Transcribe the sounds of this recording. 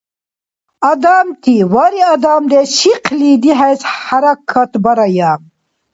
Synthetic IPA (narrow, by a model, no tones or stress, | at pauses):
ad̪aːmt̪iwaɾiad̪aːmd̪eɕiqliːd̪iɦajshaɾɐkʰːɐt̪bɐɾɐjaːm